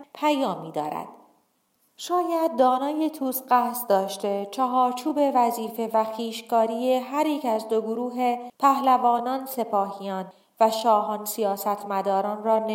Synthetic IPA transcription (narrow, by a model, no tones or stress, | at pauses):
pʰæjɒːmiːd̪ɒ̰ːɾæ̰d̪̥ | ʃɒːjæd̪̚ːɒːnɒːjet̪ʰuːsɢæhsd̪ɒːʃt̪e̞t͡ʃʰæɦɒːɾt͡ʃʰuːbe̞væziːfe̞væxiːʃkɒːɾijeɦæɾiːcʰæzd̪oɡoɾuːɦe̞pʰæhlævɒːnɒːnse̞pʰɒːhijɒːn | væʃɒːɦɒːnsijɒːsæt̪ʰmæd̪ɒːɾɒːnrɒːn